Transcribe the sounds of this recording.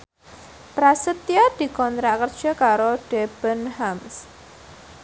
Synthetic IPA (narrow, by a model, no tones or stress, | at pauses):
pɾasət̪iad̪̥i̤kɔnt̪ɾaʔkərd̥ʒ̥ɔ̤kaɾoɖ̥eb̥ənhams